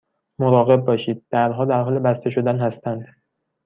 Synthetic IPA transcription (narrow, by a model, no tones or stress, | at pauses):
moɾɒːɣe̞b̚ːɒːʃiːd̪̥̚ːæɾd̪ɦɒːd̪æɾɦɒːlebæst̪e̞ʃo̞d̪ænhæst̪ænd̪